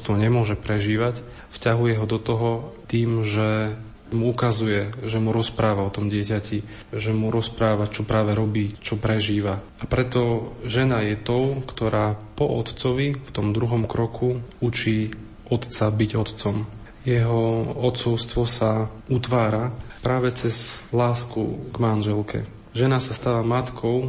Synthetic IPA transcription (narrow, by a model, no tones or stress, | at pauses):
st̪ʋɔɲɛmʊɔʒɛpɾɛʒiːʋac | fcaɦujɛɦɔd̪ɔt̪ɔɦɔt̪iːmʒɛ | muukazujɛʒɛmuɾɔspɾaːʋaɔt̪ɔmɟɪɛcaci | ʒɛmuɾɔspɾaːʋat͡ʃɔpɾaːʋɛɾɔbiːt͡ʃɔpɾɛʒiːʋa | apɾɛt̪ɔʒɛnajɛt̪ɔʊkt̪ɔɾaːpɔʔɔt̪t͡sɔʋift̪ɔmd̪ɾuɦɔmkɾɔkʰuut͡ʃiː | ɔt̪t͡sabiɟɔt̪t͡sɔm | jɛɦɔɔt̪t͡sɔʊst̪ʋɔsaut̪ʋaːɾapɾaːʋɛt͡sɛzlaːskuɡmanʒɛlkʰɛ̰ | ʒɛnasast̪aːʋamat̪kʰɔʊ